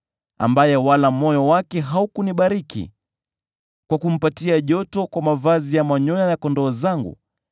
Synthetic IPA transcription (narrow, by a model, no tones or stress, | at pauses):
a̰mbajɛwalamɔjɔwakɛɦaukuniɓaɾikḭ | kwakum̩patiaʄɔtɔkwamavazijamaɲɔjajakɔndɔːzaŋɡṵ